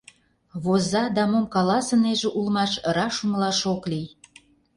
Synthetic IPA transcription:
βozɑd̪ɑmomkɑlɑsə̆neʒĕʔulmɑʃɾɑʃuməlɑʃoklij

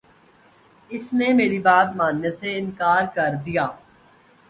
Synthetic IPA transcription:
ɪsnemeːɾibaːt̪maːnjəseɪnkaːɾkɐɾd̪ijaː

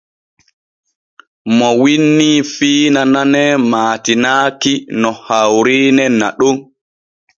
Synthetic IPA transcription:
mɔwinːifiːnananɛmaːtinaːkinɔhawɾiːnɛnːa̰ɗun

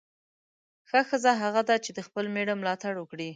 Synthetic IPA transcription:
xəxəzaɦaɣad̪at͡ʃed̪əxpəlmeɽamlɑt̪aɽwəkɽi

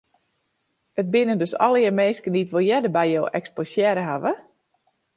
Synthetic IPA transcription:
ət̚bɪnəndøsɔ̰lˠjəmeːskənditʋolˠjɛdəbɛjjowʔɛ̰ksposjɛɾəɦaʋə

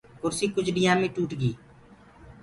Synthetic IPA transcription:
kʊɾsiːkʊt͡ʃʰɖɪjãːmẽːʈuːʈɡiː

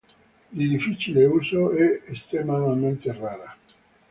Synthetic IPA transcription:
lid̪ifit͡ʃileusoɛest̪ɾemad̪amẽnt̪eraːɾa

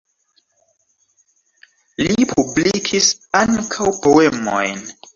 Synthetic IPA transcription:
lipʰublikʰisaŋkʰawpo̞e̞mo̰jn

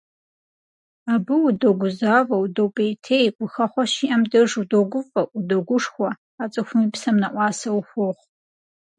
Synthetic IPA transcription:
aːbɨwudoɡʷʊzaːvɐwdopʼejtʰeːjkʷʼʊxɐχʷɔʃiʔɐmdɐʐudoɡʷʊfʼɐʔudoɡʷʊʂxʷɔ | aːt͡sʼɨxʷʊmipsɐmnɐʔʷɑːsɐwxʷoχʷ

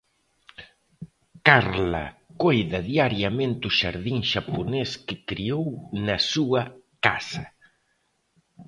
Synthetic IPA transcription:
kaɾlɐ̰kojðɐðiaɾjɐmẽnt̪ʊʃa̰ɾðiŋʃaponeskɪkɾiownɐsuɐkasɐ

